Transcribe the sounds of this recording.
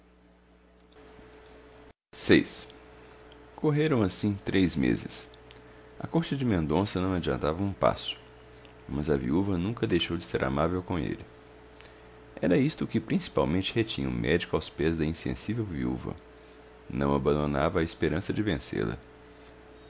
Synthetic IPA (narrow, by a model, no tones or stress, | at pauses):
sejs | kʰoɦeɾɐ̃w̃asĩt̪ɾejzmḛzɪs | ɐ̰koɾt͡ʃɪd͡ʒɪmẽnd̪õsɐnɐ̃w̃ad͡ʒiɐ̃nt̪avɐũpa̰sʊ̥ | mɐzɐviuvɐnũkɐd̪ejʃowd͡ʒɪseɾʔa̰mavewkõḛlɪ | ɛɾɐist̪ʊkɪpɾĩsi̥pawmẽnt͡ʃɪhet͡ʃĩɲɐṵ̃mʔɛd͡ʒikʊawspɛzd̪ɐĩsḛ̃sivewviṵvɐ̰ | nɐ̰̃w̃abɐ̃nd̪onavɐːɪspeɾɐ̃sɐd͡ʒɪvẽsḛlɐ̰